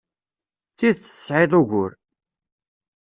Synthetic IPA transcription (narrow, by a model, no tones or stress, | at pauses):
t͡sːiðt͡sːθə̥sˤʕɪðˤʊʝʷʊɾ